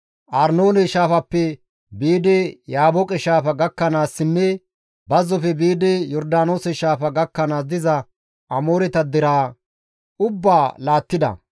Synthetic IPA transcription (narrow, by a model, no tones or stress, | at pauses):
ʔɐɾno̞ːnɛʃaːfɐpːɛ | biːd̪ɛjaːbɔkʼɛʃaːfɐɡɐkːɐnaːsːɪnːɛ | bɐzːɔfɛbiːd̪ɛjɔɾd̪aːnoːsɛʃaːfɐɡɐkːɐnaːsd̪ɪzɐ | ʔɐmoːɾɛt̪ɐd̪ɪɾaː | ʔʊbːaːlaːt̪ːɪd̪ɐ̰